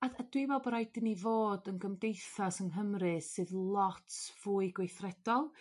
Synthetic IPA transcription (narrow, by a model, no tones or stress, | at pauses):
aad̥wivɔbɔɾajdɪnivoːdənɡəmdejθasənɦəmrɨsɨːðlˠɔtʰv̥uːɨɡwejθrɛd̥ɔlˠ